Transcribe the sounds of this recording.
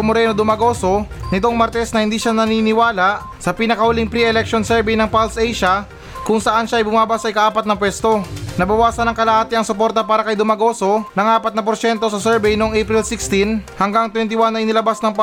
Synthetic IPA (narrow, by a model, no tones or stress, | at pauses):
moɾɛnod̪ʊmɐɡo̞ːso̞nɪt̪oŋmɐɾt̪ɛsnɐhɪnd̪iːʃanɐninɪwaːlɐʔ | sɐpɪnɐkɐhʊliŋpɾiɛlɛkʃonsɛɹbɛjnɐŋpalsʔɛjʃɐ | kʊŋsɐʔanʃaʔɐjbʊmaːbasɐʔɪkaʔaːpɐt̪̚nɐpwɛst̪o̞nɐbɐwaːsɐnɐŋkɐlɐhaːt̪ɪɐŋsʊpo̞ɾt̪ɐpaːɾɐkɐjd̪ʊmɐɡo̞ːso̞nɐŋaːpɐt̪̚nɐp̬oɾʃɛnt̪o̞sɐsɛɹbɛjnoʔoŋʔɛjpɾɪlsɪkst̪inhɐŋɡaŋt̪wɛnt̪̬ɪwanːɐʔɪnɪlɐbasnɐŋp